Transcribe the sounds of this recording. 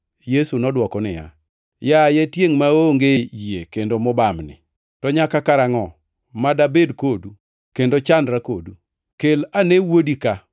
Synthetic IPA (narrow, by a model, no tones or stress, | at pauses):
jesunɔdwɔkɔnɪ̰ja̰ | jajetjeŋmaoŋɡejekendomɔbamnɪ̰ | tɔɲakakaɾaŋɔ | madabedkodu | kendot͡ʃandɾakodu | kelanewodika